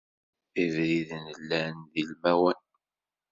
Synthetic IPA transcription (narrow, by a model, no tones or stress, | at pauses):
ivɾiðənəlːænðilmæwən